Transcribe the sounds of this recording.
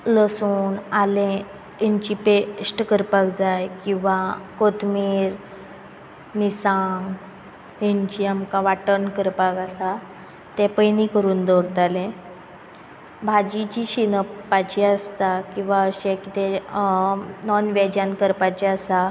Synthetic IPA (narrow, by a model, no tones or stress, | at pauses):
ləsuːnalẽ | aɲt͡ɕipesʈkəɾpakd͡zajkĩw̃ʋakot̪miɾ | nisãŋɡ | ɦaɲt͡ɕiːamkaʋaʈənkəɾpakasa | t̪ɛpəjnikəɾuːnd̪oɾt̪alẽ | bʱad͡ʑit͡ɕiɕinəpːat͡ɕiəst̪akĩw̃ʋaəɕekit̪e | nɔnʋɛd͡ʑankəɾpat͡ɕiasa